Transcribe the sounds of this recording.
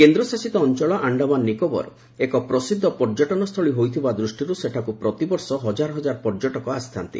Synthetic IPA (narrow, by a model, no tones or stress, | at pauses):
kend̪ɾɔsasit̪ɔːnt͡ʃɔɭɔʔaɳɖabanːikɔbɔ̰ɾ | ekɔpɾɔsid̪ʱːɔpɔɾd͡ʒɔʈɔnɔst̪ʰɔɭiɦojt̪ʰibad̪ɾusʈiɾuseʈʰakupɾɔt̪ibɔɾsɔɦɔd͡ʒaɾɔɦɔd͡ʒaɾpɔɾd͡ʒɔʈɔkɔast̪ʰa̰nt̪ḭ